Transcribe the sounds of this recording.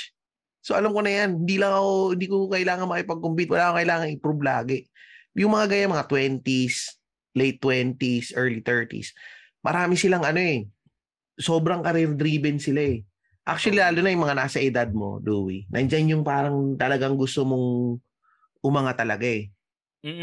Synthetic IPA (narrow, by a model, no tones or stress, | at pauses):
soʔɐlamko̞nɐjanhɪnd̪iːlɐŋɐkohɪnd̪iːkokɐʔɪlaːŋɐŋmɐkɪpɐɡ̚kʊmbit̪wɐlaːkokɐɪlaːŋɐŋɪpɾublaːɡɛjʊŋmɐŋaɡajanmɐŋat̪wɛnt̪is | lejt̪ːwɛnt̪isʔɛɹlit̪ɛɹt̪ḭs | mɐ̰ɾaːmɪsɪlaŋɐno̞ɛ | so̞ːbɾɐŋkɐɾɛɾd̪ɾiːbɛnsɪlaɛ | ʔa̰k̚t͡ʃʊwɐlilaːlʊnɐjʊŋmɐŋanaːsɐʔɪd̪ad̪̚mo̞̰d̪ṵːwḭnʔɐ̰nd͡ʒanjʊŋpaːɾɐŋt̪ɐlɐɡaŋɡʊst̪omoŋ | ʔʊmɐŋat̪ɐlɐɡaʔɛ | m̩ː